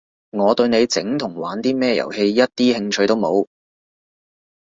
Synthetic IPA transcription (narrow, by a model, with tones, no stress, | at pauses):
ŋɔː˨˧t̪ɵ˧ɥne˨˧jt͡sɪ̰˨˥ŋt̪ʰʊ˨˩ŋwaː˨˥nt̪iː˥mɛː˥jɐ̰˨˩whe˧jjɐ˥t̚t̪iː˥hɪ˧ŋt͡ʃʰɵ˧jt̪o˥wmo˨˧w